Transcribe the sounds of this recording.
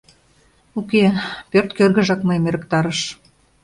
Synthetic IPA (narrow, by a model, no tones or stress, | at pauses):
ukepørt̪kørɣə̆ʒɑkməjəmeɾəkt̪ɑɾəʃ